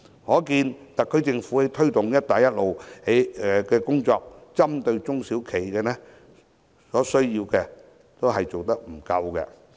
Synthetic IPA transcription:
hɔː˨˥kiː˧nt̪ɐ˨˩kʰːɵ˨˧ɥt͡sɪ˧ŋfu˨˥he˨˧jt̪ʰɵ˥ɥt̪ʊ˨ŋjɐ˥t̚t̪aː˨jɐ˥t̚lo˨whe˨˥ɛ˨kɛː˧kʊ˥ŋt͡sɔː˧k̚t͡sɐ˥mt̪ɵ˧ɥt͡sʊ˥ŋsiː˨˥wkʰe˨˩jkɛː˧nɛː˥ | sɔː˨˥sɵ˥ɥjiː˧wkɛː˧ | t̪o˥wɦɐ˨jt͡so˨wt̪ɐ˥k̚m̩˨˩kɐ˧wkɛ̰˧

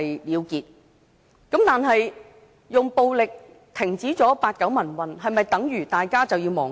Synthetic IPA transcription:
jliː˨˧wkiː˨t̚ | kɐ˨˥mt̪aː˨nɦɐ˨j | jʊ˨ŋpo˨˧wlɪ˨k̚ | t̪ʰɪ˨˩ŋt͡siː˨˥t͡sɔː˨˥paː˧t̚kɐ˨˥wmɐ˨˩nwɐ˨nɦɐ˨jmɐ˨jt̪ɐ˨˥ŋjyː˨˩t̪aː˨˩jkaː˥t͡sɐ˨wjiː˧wmɔː˨˩ŋ

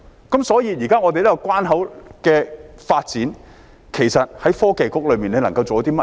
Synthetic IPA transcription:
kɐ˨˥msɔː˨˥jiː˨˧jiː˨˩kaː˥ŋɔː˨˧t̪e˨jlɐ˥kɔ˧kwaː˥nɦɐ˨˥wkɛː˧faː˧t̚t͡siː˨˥n | kʰe˨˩jsɐ˨t̚hɐ˨˥jfɔː˥ke˨jkʊ˥k̚lɵ˨˧ɥmiː˨˩ne˨˧nɐ˨˩ŋkɐ˧wt͡so˨˧ɐ˥t̪iː˥mɐ˥

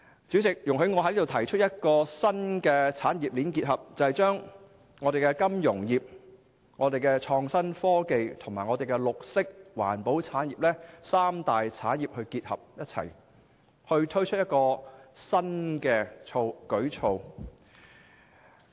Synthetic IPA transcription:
t͡syː˨˥t͡sɪ˨k̚jʊ˨ŋɦe˨˥jŋɔː˨˧ɦliː˥d̪wt̪ʰɐ˨˩jt͡ʃʰɵ˥t̚jɐ˥t̚kɔː˧sɐ˥nkɛː˧t͡sʰaː˨˥njiː˨p̚liː˨˥nkiː˧t̚ɦɐ˨p̚t͡sɐ˨˧hɐ˨jt͡ʃœː˥ŋ | ŋɔː˨˧e˨jkɛː˧kɐ˥mjʊ˨˩ŋjiː˨p̚ | ŋɔː˨˧d̪e˨jkɛː˧t͡ʃʰɔː˧ŋsɐ˥nfɔː˥ke˨jt̪ʰʊ˨˩ŋmaː˨˩jŋɔː˨˧e˨jkɛ˧lʊ˨k̚sɪ˥k̚wa̰ː˨˩npo˨˥wt͡sʰaː˨˥njiː˨p̚lɛː˥saː˥mt̪aː˨jt͡sʰaː˨˥njiː˨p̚hɵ˧ɥkiː˧t̚hɐ̰˨p̚jɐ˥t̚t͡sʰɐ̰˨˩j | hɵ˧ɥt̪ʰɵ˥ɥt͡ʃʰt̚jɐ˥t̚kɔː˧sɐ˥nkɛː˧t͡ʃʰo˧wkɵ˨˥ɥt͡ʃʰo˧w

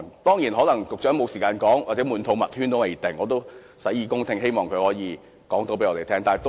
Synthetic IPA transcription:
t̪ɔː˥ŋjiː˨˩nɦɔː˨˥lɐ˨˩ŋt͡sʊ˨k̚t͡ʃœː˨˥ŋmo˨˧wsiː˨kaː˧nkɔː˨˥ŋwaː˨˩t͡sɛː˨˥muː˨˧nt̪ʰo˨˧wmɐ˨t̚hy˥nt̪o˥wmɐ˨ji˨˩t̪ɪ˨ŋːɔː˨˧t̪̬o˥w | sɐ˨˥jiː˧kʊ˥ŋt̪ʰɪ˥ŋɦe˥jmɔː˨˩ŋkʰɵ˨˧hɔː˨˥jiː˨˧ | kɔː˨˥ŋt̪o˨˧˥p̬e˨˥jɔː˧te˨jt̪ʰɛː˥ŋt̪aː˨˩˨jt̪

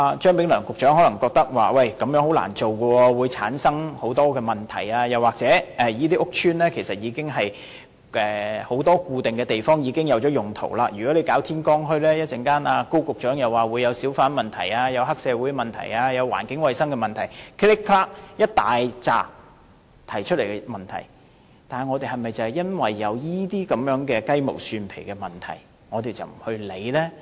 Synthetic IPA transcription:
a˨˧t͡ʃœː˥ŋpɪ˨˥ŋlœː˨˩ŋkʊ˨k̚t͡ʃœː˨˥ŋhɔː˨˥lɐ˨˩ŋkɔː˧k̚t̪ɐ˥k̚wa̰ː˨wɐ˨˩jkɐ˨˥mjœː˨˥ŋho˨˥wla̰ː˨˩nt͡so˨wkɔː˧wuː˨˧jt͡sʰa̰ː˨˥nsɐ˥ŋho˨˥wt̪ɔː˥kɛː˧mɐ˨˩nt̪ʰɐ̰˨˩jaː˧jɐ˨waː˨k̚t͡sɛː˨˥ɛ˨˧jiː˥t̪̬iː˥ʔʊ˥k̚t͡ʃʰyː˥nlɛː˥kʰe˨˩jsɐ˨t̚jiː˨˧kɪ˥ŋɦɐ˨j | ʔɛː˨˧ho˨˥wt̪ɔː˥kuː˧t̪e˨ŋkɛː˧t̪e˨jfɔː˥ŋjiː˨˧kɪ˥ŋjɐ˨˧wt͡ʃɔː˨˥jʊ˨˩ŋt̪ʰo̰˨˩wlaː˧jy˨˩kɔ˨˥le˨˧jkaː˨˥wt̪ʰiː˥nkɔː˥ŋɦɵ˥ɥlɛː˥jɐ˥t̚ɛ˨˩ŋkaː˥naː˧ko˥wkʊ˨k̚t͡ʃœː˨˥ŋjɐ˨waː˨˩wu˨˧jɐ˨˧wsiː˨˥wfaː˨˥nmɐ˨nt̪ʰɐ̰˨˩jaː˧jɐ˨˧wɦɐ˥k̚sɛː˨˧wu˨˥jmɐ˨nt̪ʰɐ̰˨˩jaː˧jɐ˨˧wːa̰ː˨˩nkɪ˨˥ŋwɐ˨jsɐ˥ŋkɛ˧mɐ˨˩nt̪ʰɐ˨˩jkʰlɪ˥kʰːlaː˥k̚jɐ˥t̚t̪aː˨jt͡sa̰ː˨ | t̪ʰɐ˨˩jt͡ʃʰɵ˥t̚le˨˩kɛ˧mɐ˨nt̪ʰɐ̰˨˩j | t̪aː˨ŋɔː˨˧t̪e˨˩ɦɐ˨jmɐ˨jt͡sɐ˨˩hjɐ˥nwɐ˨jːɐ˨˧wjiː˥t̪iː˥kɐ˨˥mjœː˨˥ŋkɛː˧kɐ˥jmo̰˨˩wsyː˧npʰḛ˨˩jkɛː˧mɐ˨˩nt̪ʰɐ̰˨˩j | ŋɔː˨˧t̪e˨jt͡sɐ˨wm̩˨˩hɵ˧le˨˧jlɛː˥

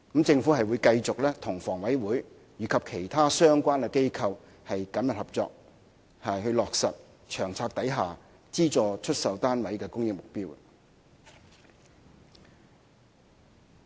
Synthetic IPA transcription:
kmt͡sɪ˧ŋfu˨˥hɐ˨jwu˨˧jkɐ˧jt͡sʊ˨k̚lɛː˥t̪ʰʊ˨˩ŋfɔː˨˩ŋwɐ˨˥jwuː˨˥j | jyː˨kʰɐ˨p̚kʰe˨˩jt̪ʰaː˥sœː˥ŋkʷaː˥nkɛ˧ke˥jkʰɐ˧w | hɐ˨jkɐ˨˥mjɐ˨t̚hɐ˨p̚t͡sɔ̰ː˧k̚ | hɐ˨jhɵ˧ɥlɔː˨k̚sɐ˨t̚ | t͡ʃʰœː˨˩ŋt͡sʰaː˧k̚t̪ɐ˨˥jɦaː˨ | t͡siː˥t͡sɔː˨t͡ʃʰɵ˥t̚sɐ˨wt̪aː˥nwɐ˨˥jkɛː˧kʊ˥ŋjɪ˥ŋ̚mʊ˨k̚piː˥w

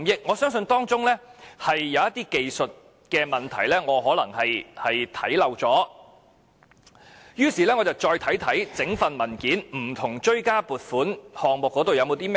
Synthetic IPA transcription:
mjɪ˥k̚ŋɔː˨˧sœː˥ŋs̬ɵ˧nt̪ɔː˥ŋt͡sʊ˥ŋlɛː˥hɐ˨jːɐ˨˧wjɐ˥t̪iː˥ke˨jsɵ˨t̚ | kɛː˧mɐ˨˩nt̪ʰɐ˨˩jlɛː˥ŋɔː˨˧ɦɔː˨˥lɐ˨˩ŋhɐ˨jhɐ˨jt̪ʰɐ̰˨˥jlɐ˨wt͡sɔː˨˥ | jyː˥siː˨˩lɛː˥ŋɔː˨˧t͡sɐ˨˩wt͡sɔː˧jt̪ʰɐ˨˥jt̪ʰɐ˨˥jt͡sɪ˨˥ŋfɐ˨nmɐ˨˩nkiː˨˥nm̩˨˩t̪ʰʊ˨˩ŋt͡ʃɵ˥ɥkaː˥puː˨t̚fuː˨˥nhɔː˨ŋmʊ˨kːɔː˨˥t̪o˨wjɐ˨˧wmo˨˧wt̪iː˥mɛ˥

